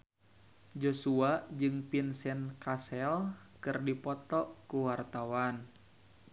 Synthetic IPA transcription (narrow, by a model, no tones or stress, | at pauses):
d͡ʒosuaʔd͡ʒɨŋpinsɛnkasɛlkɨrdipɔt̪ɔʔkuwart̪awan